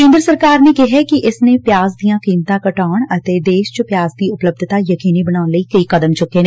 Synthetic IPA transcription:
kẽːnd̪ɾəsɐɾkaːɾnekeɦɛkiʔɪsnepjaːzd̪ijãkiːmt̪ãkɐʈaːɽ̃ɐt̪eːd̪eːʃt͡ʃopjaːzd̪iʊpləb̚d̪ʱt̪ajɐkiːnibɐnaːlikɐikɐd̪əmt͡ʃʊken

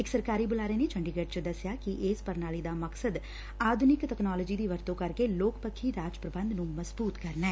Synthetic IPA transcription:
ɪksəɾkaːɾiːbʊlaːɾeːneːt͡ʃʰəɳɖiːɡəʈ̚t͡ʃəd̪əsɪjaːkiʔɪːspəɾnaːliːd̪aːməksəd̪ | aːd̪ʱʊnɪkʈɛːknaːləːd͡ʒiːd̪iːʋəɾt̪õːkəɾkeloːkpəkʰːiːɾaːt͡ʃpɾəbə̃nd̪nũːməzbuːt̪kəɾnɛː

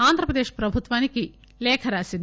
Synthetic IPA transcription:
aːnd̪ʱɾɐpɾɐd̪eːʃpɾɐbʱut̪ʋaːniki | leːkʰɐɾaːsin

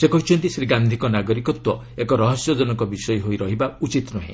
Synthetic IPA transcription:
sekɔɦit͡ʃʰɔnt̪isɾiɡand̪ʱikɔnaɡɔɾikɔt̪wɔ | ekɔɾɔɦɔsjɔd͡ʒɔnɔkɔbisɔjɔɦojɾɔɦibaut͡ʃit̪nɔɦḛ̃

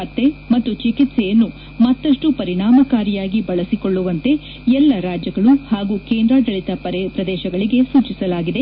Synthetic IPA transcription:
ɐt̪ːe̞mɐt̪ːut͡ʃikit̪sɛjɐnːu | mɐt̪ːɐʂʈupɐɾiɳaːmɐkaːɾijaːɡibɐɭɐsikoɭːuʋɐnt̪e̞ | ɛlːɐɾaːd͡ʒjɐɡɐɭuhaːɡuːkeːnd̪ɾad̪ɐɭit̪ɐppɾɐd̪ɛːʃɐɡɐɭiɡe̞suːt͡ʃisɐlaːɡid̪e

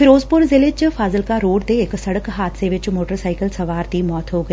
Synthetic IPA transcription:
fɪɾoːzpʊɾzɪlɪt͡ʃfʰaːzəlkaɾoːɽd̪eːksɐɽəkɦaːt̪ʰseʋɪt͡ʃmoːʈəɾsaːɪkəlsɐʋaːɾd̪imɔːt̪ɦoɡɐi

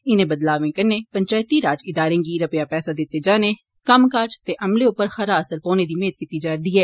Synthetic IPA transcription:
ɪnẽːbəd̪laːʋẽːkəɾneːpəɲt͡ʃaːt̪iɾaːd͡ʒɪd̪aːɾẽːɡiːɾəpɪjaːpɛːsad̪ɪt̪ːed͡ʒaːneː | kəmkaːd͡ʒt̪eʔɐmleʊpːəɾxəɾaːəsəɾpoːned̪iːmeːt̪̚kit̪id͡ʒaːɾd̪iːɦɛː

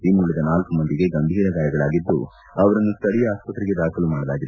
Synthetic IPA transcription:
imuɭːid̪ɐnaːlkumɐnd̪iɡe̞ɡɐmbʱiːɾɐɡaːjɐɡɐɭaːɡid̪ːu | ɐʋɐɾɐnːust̪ɐɽijɐaːspɐt̪ɾiɡe̞d̪aːkʰɐlumaːɽɐlaːɡid̪e

